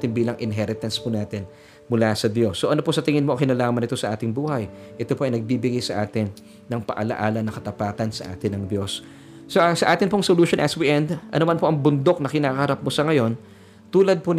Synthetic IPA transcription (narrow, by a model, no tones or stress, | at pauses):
t̪ɪnbiːlɐŋʔɪnɦɛɾɪt̪ɐnspunaːt̪ɪn | mʊlasɐd̪jo̞sːoʔɐno̞posɐt̪ɪŋɪnmoɐŋkɪnɐlaːmɐnɪt̪o̞sɐʔaːt̪ɪŋbuːhɐjʔɛt̪o̞poʔɐjnɐɡ̚biːbɪɡajsɐʔaːt̪ɪnː | ɐŋpɐ̰ʔɐlɐ̰ʔaːlɐnɐkɐt̪ɐpaːt̪ɐnsɐʔa̰ːt̪ɪnɐŋd̪jo̞sː | osɐʔaːt̪ɪnpoŋsoluːʃonʔɐswiʔɛnd̪ʔɐ̰nomanpo̞ʔɐŋbʊnd̪o̞k̚nɐkɪnaːkɐhɐɾap̚mosɐŋɐjo̞n | t̪uːlɐd̪̚po